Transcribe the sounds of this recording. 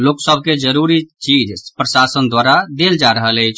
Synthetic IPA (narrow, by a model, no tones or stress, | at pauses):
loksəbʱked͡ʒəɾuɾit͡ʃid͡ʒpɾəsasənd̪waɾad̪eld͡ʒaɾəɦələjt͡ʃʰ